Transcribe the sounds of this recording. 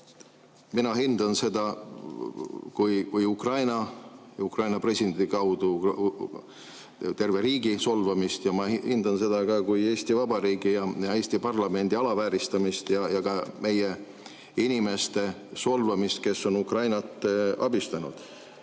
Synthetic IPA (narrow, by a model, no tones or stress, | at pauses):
minɑɦind̪̥ɑnse̞d̪ɑ | kujkujukrɑjnɑukrɑjnɑpre̞sʲid̪eenikɑwd̪̥u | t̪e̞rve̞ɾiːɡiso̞lvɑmist̪jɑmɑhind̪ɑnse̞d̪̥ɑkɑkuje̞ːst̪ivɑbɑɾiːɡ̥ijɑjɑe̞ːsʲt̪ipɑrlɑme̞nd̪iɑlɑvæːɾist̪ɑmist̪jɑjɑkɑme̞je | inime̞st̪e̞so̞lvɑmist̪̚ke̞sːo̞nukrɑjnɑt̪ːˑɑ̰bist̪ɑnud̪̥